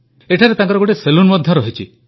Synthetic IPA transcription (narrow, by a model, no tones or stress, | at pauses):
eʈʰaɾet̪ãŋkɔɾɔɡoʈeselunmɔd̪ʱjɔɾɔɦit͡ʃʰi